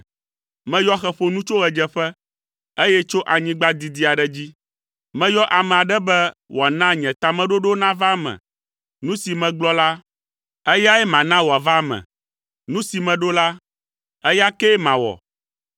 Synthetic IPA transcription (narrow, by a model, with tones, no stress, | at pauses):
mɛ̃˦jɔ˦xɛ˦ɸo˨nũ˦t͡ʃo˦ɣɛ˨d͡ʒɛ˦ɸɛ˦ | e˦jɛ˦t͡ʃo˦ʔa˨ɲĩ˦ɡ͡ba˦d̪i˨d̪i˦a˨ɖɛ˨d͡ʑi˦ | mɛ̃˦jɔ˦ʔa˨mɛ̃˨a˨ɖɛ˦bɛ˦wo˨a˨nã˦ɲɛ̃˨t̪a˨mɛ̃˦ɖo˦ɖo˦nã˦va˦mɛ̰̃˨ | nũ˦si˨mɛ̃˨ɡ͡blɔ˦la˦ | ɛ˦ja˦ɛ˦mã˨nã˦wo˨a˨va˦mɛ̰˨ | nũ˦si˨mɛ̃˨ɖo˦la˦ | ɛ˦ja˦kɛ˦mã˨wɔ̰˨